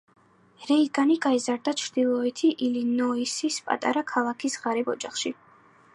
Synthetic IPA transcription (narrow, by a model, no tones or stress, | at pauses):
ɾɛiɡaniɡaizaɾd̪at͡ʃʰɾd̪ilˠɔɛt̪ʰiʔilinɔisispʼa̰t̪ʼa̰ɾakʰalˠakʰisʁaɾibɔd͡ʒaχʃi